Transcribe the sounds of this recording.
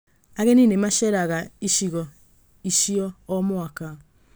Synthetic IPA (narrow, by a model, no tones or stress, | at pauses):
aɣeninemaʃɛɾaɣaiʃiɣɔ | iʃiɔːmoaka